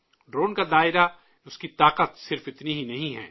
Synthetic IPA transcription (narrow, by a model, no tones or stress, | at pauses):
ɖɾoːnkad̪aːɪɾa | ʊskit̪aːqət̪sɪɾfɪt̪niɦinɐɦĩɦɛ̰ː